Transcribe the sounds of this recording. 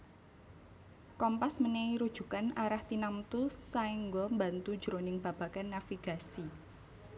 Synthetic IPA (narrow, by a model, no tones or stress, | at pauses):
kɔmpasməneiɾud̥ʒ̥ṳkanaɾaht̪inamt̪usaiŋɡɔmbant̪u̥d͡ʒ̥əɾonɪŋb̥a̤b̥a̤kanːafiɡ̥a̤si